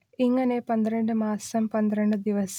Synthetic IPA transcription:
iŋːɐne̞pɐnd̪iɾɐɳɖɨmaːsɐmpɐnd̪ɾɐɳɖɨd̪iʋɐs

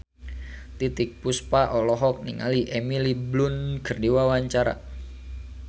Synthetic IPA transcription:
t̪it̪ɪk̚puspaʔɔlɔɦɔk̚niŋa̰liʔɛmiliblʊnkərdiwawaɲt͡ʃaɾa̰

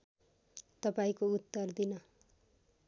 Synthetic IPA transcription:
t̪ʌpaĩkout̪ːʌrd̪inʌ

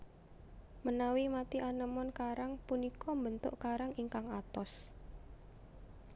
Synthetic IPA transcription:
mənawimat̪iʔanəmɔnkaɾaŋpunikɔmbənt̪ʊ̰ʔkaɾaŋiŋkaŋat̪ɔs

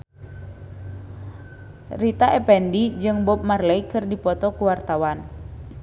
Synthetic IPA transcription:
rit̪aʔɛpɛndid͡ʒɨŋbɔp̚marlɛjkɨrdipɔt̪ɔkuwart̪awan

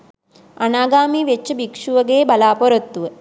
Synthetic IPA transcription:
ɐnaːɡaːmiʋet͡ʃːɐbikʂuʋɐɡeːbɐlaːpɔɾɐt̪ːuʋɐ

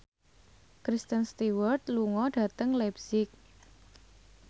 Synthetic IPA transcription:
kɾist̪ənst̪iwərt̪̚luŋɔɖ̥ä̤t̪əŋlɛbsɪk̚

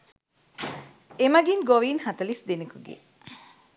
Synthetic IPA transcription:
emɐɡiŋɡoʋiːnhɐt̪ɐlisd̪enikuɡḛ

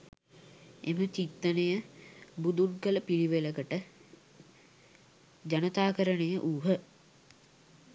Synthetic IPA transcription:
emət͡ʃit̪ːənəjəbud̪uŋkələpiliʋeləkəʈə | d͡ʒanət̪aːkəɾənəjəʔuːɦə

